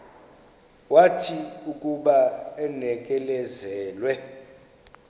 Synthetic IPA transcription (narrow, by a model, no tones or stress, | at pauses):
watʰiukʼuɓaɛnɛk̬ʼɛlɛzɛːlwɛ